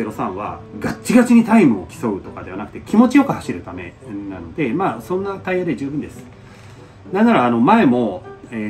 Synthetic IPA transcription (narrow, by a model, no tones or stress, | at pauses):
eɾo̞sãɰ̃βa̰ɡat͡ɕːiɡat͡ɕiɲ̟it̪aimɯ̟o̞kʲi̥so̞ɯ̟t̪o̞kad̪e̞anakɯ̟̥t̪e̞kʲimo̞t͡ɕijo̞kɯ̟haɕiɾɯ̟t̪ame̞̰na̰no̞d̪e̞maːsõ̞nːat̪aijad̪e̞ʑɨːbɯ̟nd̪e̞sɨ̥ | nanaɾaːno̞mae̞mo̞e